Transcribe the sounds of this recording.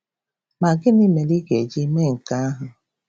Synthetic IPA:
ma˨ɡɪ˦nɪ˦me˨li˦ɡe˨d͡ʒi˦me˦ŋ̩˨ka˦a˦ɦʊ˨

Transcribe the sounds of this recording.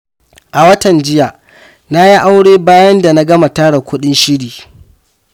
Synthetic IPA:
ʔa˨wɐ˦tɐ˨nd͡ʒɪ˦ja˨ʔ | na˦ji˦ʔa˦wɽeː˦baː˦jɐ˦nda˨na˦ɡɐ˦ma˨taː˦ɽa˨kʷʊ˦ɗɪ˦nʃɪ˦ɽiː˨

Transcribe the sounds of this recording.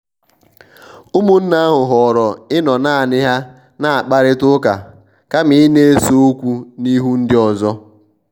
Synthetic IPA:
ʊ˦mʊ˦n̩˦na˦a˦ɦʊ˨ɦɔ˨ɾɔ˨ɪ˦nɔ˨na˦˨a˨nɪ˦ɦa˦ | na˨a˨k͡pa˦ɾɪ˦tʊ˦ka̰˨ | ka˦mɪ˨ɪ˦ne˦e˦so˦o˦kʷu˦ni˦ɦu˦n̩˦dɪ˦ɔ˨zɔ˦

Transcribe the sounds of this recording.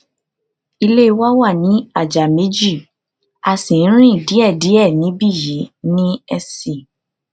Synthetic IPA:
i˧le˦i˧wa˦wa˦˨nĩ˨˦a˦˨d͡ʒa˨me˨˦d͡ʒi˦˨ | a˧sĩ˨n˦ɾ̃ĩ˦i˦˨di˨˦ɛ˦˨di˨˦ɛ˦˨nĩ˨˦bi˦˨ji˨˦nĩ˦ɛ˧si˨

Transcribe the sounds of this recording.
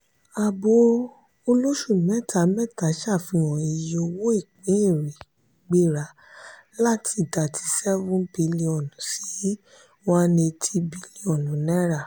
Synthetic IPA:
a˨bo˨˦ | o˧lo˦ʃu˦˨mɛ̃˦˨tʰa˨˦mɛ˦˨ta˨˦ʃa˦˨fĩ˧˦w̃ɔ̃˨i˧jo˧wo˦e˦˨k͡pĩ˨˦e˦˨ɾi˨ | ɡ͡be˦˨ɾa˨˦ | la˦˨ti˧˨ta˨tʰi̥˨˧sɛ˦vũ˦bi˨˦li˧ɔ˨nũ˨˦si˦˨˦ | wa˦nĩ˧tʰi˧bi˨˧˦li˨˦ɔ˨nũ˨˦nɛ̃˦ɾa˦˨

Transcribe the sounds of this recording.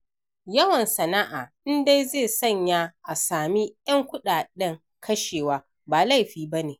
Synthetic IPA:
jɐ˦wɐ˨nsɐ˨na˦ʔaː˨ʔɪ˦nda˦jzeː˦˨sɐ˦˨ɲjaː˦ʔa˨saː˨mi˦jɐ˦ŋkʷʊ˦ɗaː˨ɗɪ˦ŋ | kʰɐ˦ʃeː˨waː˦ | baː˨la˦˨jɸiː˦ba˦neː˨

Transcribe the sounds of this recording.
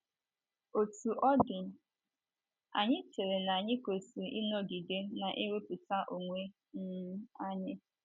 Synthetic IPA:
o˨tu˨ʔɔ˦ɡɪ˨ | a̰˨ɲɪ˦te˨ɾe˨na˨a˨ɲɪ˦ko˨si˨ʔi˦nɔ˦ɡi˨de˦na˨ʔe˦ɾe˦pu˨ta˦ʔo˨ŋʷe˦ | n̩˦a˦ɲɪ˦

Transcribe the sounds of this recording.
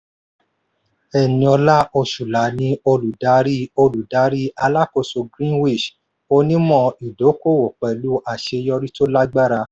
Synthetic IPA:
ɛ˨nĩ˧ɔ˧la˦ʔo˧ʃu˨la˨˦nĩ˧˦o˧lu˨da˨˦ɾi˦o˧lu˨da˨˦ɾi˦a˧la˦ko˧˨so˧ɡɾĩ˦nwi˦˨ʃ | o˧˦nĩ˦mɔ̃˦˧˨i˨do˨˦ko˦˨wo˨k͡pɛ˨lu˦ʔa˦˨ʃe˧jɔ˧ɾi˦to˦la˦ɡ͡ba˦ɾa˧

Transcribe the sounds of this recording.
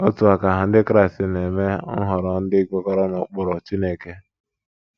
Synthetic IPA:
ɔ˦tu˨a˨ka˨ɦa˨n̩˦dɪ˦kɾa˦i˨stɪ˨ne˨me˦ŋ̩˦ɦʊ˨ɾɔ˨n̩˦dɪ˦i˦kɔ˦kɔ˦ɾɔ˦nɔ˨k͡pʊ˨ɾɔ˨t͡ʃi˦ne˦˨ke˦

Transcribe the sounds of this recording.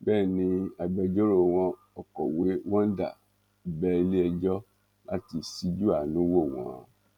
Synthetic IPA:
bɛː˦˨nĩ˧a˨bɛ˧d͡ʒo˦ɾo˨w̃ɔ̃˧ | ɔ˨kɔ˨we˦wɔ̃˦n˦da̰˨ | i˨bɛ˦˧li˦ɛ˧d͡ʒɔ˦ | la˦ti˨si˦d͡ʒu˦a˨nũ˨˦wo˦˨w̃ɔ̰̃˨

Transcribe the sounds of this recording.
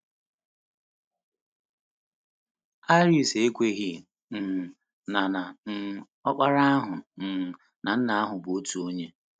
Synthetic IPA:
a˦ɾi˨se˨e˦kʷe˦ɣi˦ | n̩˨ | na˨na˨n̩˦˨ | ɔ˦k͡pa˦ɾa˦a˦ɦʊ˨n̩˨ | na˨n̩˦na˨a˦ɦʊ˨bʊ˨o˦tu˨o˦ɲe˦

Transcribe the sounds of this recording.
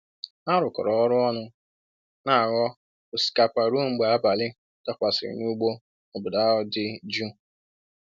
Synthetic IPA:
a˦ɾʊ˨kɔ̰˨ɾɔ˨ɔ˦ɾʊ˦ɔ˦nʊ˦ | na˨a˨ɣɔ˦ | ʊ˨si̥˨ka˨pa˨ɾu˦˨ŋ͡m̩˨ɡ͡be˨a˦ba˨lɪ˦ | ta˦kʷa˨sɪ̰˨ɾɪ̰˨nu˦ɡ͡bo˦ | ɔ˨bʊ˨da˨˦ɔ˦dɪ˦d͡ʒu˦

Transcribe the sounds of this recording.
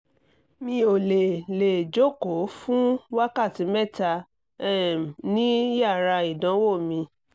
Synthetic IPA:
mĩ˧o˨le˨le˨d͡ʒo˦˨ko˨˦fũ˦wa˦ka˦˨tĩ˨˦mɛ˦˨ta˧ | ɛ˦˨nĩ˦ja˦˨ɾa˧i˨dã˨˦wo˦˨mĩ˧

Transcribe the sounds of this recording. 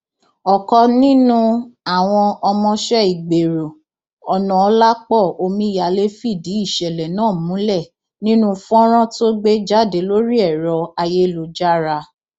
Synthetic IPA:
ɔ˨kɔ˧nĩ˦nũ˦a˦˨w̃ɔ̃˧ɔ˧mɔ̃˧ʃɛ˦˨i˨ɡ͡be˨ɾo˨ | ɔ˨nɔ̃˨ɔ˧la˦k͡pɔ˦˨o˧mĩ˦ja˧le˦fi˦˨di˨˦i˦˨ʃɛ˨lɛ˨nãː˦˨mũ˨˦lɛ˦˨ | nĩ˦nũ˦fɔ̃˦ɾ̃ɔ̃˦to˦ɡ͡be˦d͡ʒa˦˨de˨˦lo˦ɾi˦ɛ˦˨ɾɔ˧a˧je˦lu˧˦d͡ʒa˦ɾa˧

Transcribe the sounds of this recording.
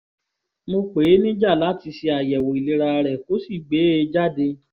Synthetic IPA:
mo˧k͡pe˨˦nĩ˦d͡ʒa˦˨la˨˦ti˧si˧a˨jɛ˨wo˨i˨le˨˧ɾa˧ɾɛ˨ko˦si˦˨ɡ͡be˨˦e˧d͡ʒa˦˨de˧

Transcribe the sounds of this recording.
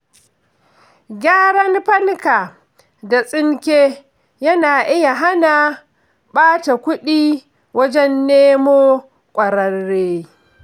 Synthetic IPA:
ɡʲaː˦ɽɐ˦nɸɐ˦ŋka˨ | da˨sʼɪ˦ŋkʲeː˦ | jɐ˦naː˨ʔɪ˦ja˨ɦa˦na˨ | ɓaː˦ta˨kʷʊ˦ɗiː˦ | wɐ˦d͡ʒɛ˦nːeː˦moː˦ | kʷʼɐ˨ɾɐ˦rːeː˦

